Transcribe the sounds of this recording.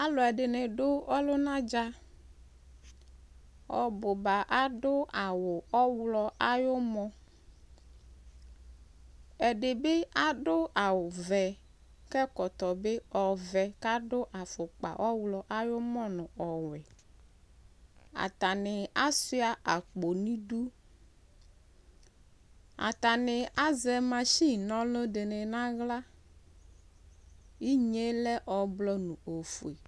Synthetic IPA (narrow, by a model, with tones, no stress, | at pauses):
a˦lɔ˨ɛ˨ɖɪ˨nẽ˨ɖʊ˦ɔ˦lo˦nã˦d͡ʒa˦ | ɔ̰˨bo˨ba˨ʔa˦ɖʊ˦a˨wʊ˨ɔ˦wlɔ˦ʔa˦jo˦mɔ̃˦ | ɛ˨ɖe˨be˦a˦ɖʊ˦a˨wʊ˨vɛ˨ | kɛ˦kɔ˨t̪ɔ˨be˦ɔ˨vɛ˨ka˦ɖo˦ʔa˨fʊ˨k͡pa̰˨ʔɔ˦wlɔ˨ʔa˦jʊ˦mɔ̃˦nʊ̃˨ɔ˨wɛ˨ | a̰˨t̪a˨nɪ˨a˦sʊ˦a˦ʔa˨k͡po˨nĩ˦du˦ | a̰˨t̪a˨nɪ˨a˦zɛ˨mã˨ʃi˦˨nɔ̃˦lo˦dɪ˨nɪ˨nã˦ɣla˦ | i˦ɲe˦lɛ˦ʔɔ˨blɔ˦nʊ̃˨o˨fu˨e˨